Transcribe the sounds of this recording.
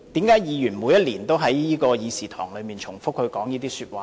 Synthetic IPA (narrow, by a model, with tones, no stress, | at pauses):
t̪iː˨˥mkaː˨˥jjiː˨˧jyː˨˩nmuː˨˧jɐ˥t̚liː˨˩nt̪o˥wɦɐ˨˥jjiː˥kɔː˧jiː˨˧siː˨t̪ʰɔ̰ː˨˩ŋlɵ˨˧ɥmiː˨˩nt͡ʃʰʊ˨˩ŋfʊ˥k̚hɵ˨˧kɔː˨˥ŋjiː˥t̪iː˥syː˧t̚waː˧